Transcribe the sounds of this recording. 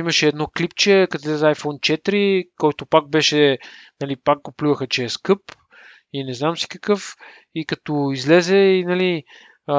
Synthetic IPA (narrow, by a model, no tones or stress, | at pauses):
imɐʃɛːd̪nɔklipt͡ʃɛkɐt̪izlɛzɛajfɔnt͡ʃɛt̪ɾikɔjt̪opak̚bɛʃɛnɐlipak̚ɡoplʲuvəxət͡ʃɛːskɤp | inɛznamsi̥kɐkɤf | ikɐt̪ɔizlɛzɛinɐli